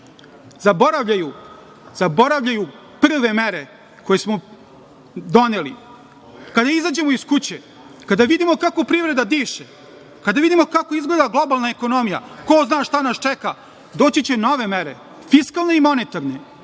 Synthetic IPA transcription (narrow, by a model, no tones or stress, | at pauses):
zabo̞ɾaʋʎaju | z̥abo̞ɾaʋʎaju | pr̩ʋe̞meɾe | ko̞jesmo | d̪o̞nelḭ | kad̪aizad͡ʑemoiskut͡ɕe | kad̪aʋid̪imo̞kako̞pɾiːʋɾe̞d̪ad̪iːʃe | kad̪aʋid̪imo̞kako̞izɡled̪aɡlo̞balˠnaeko̞nomija̰koznaːʃt̪anast͡ʃɛka | d̪o̞ːt͡ɕit͡ɕeno̞ʋe̞meɾḛ | fiskalˠne̞imo̞net̪aɾne